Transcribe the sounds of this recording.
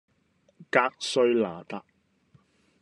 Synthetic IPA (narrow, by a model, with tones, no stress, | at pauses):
kaː˧k̚sɵ˧ɥlaː˨˩t̪a˨˧k̚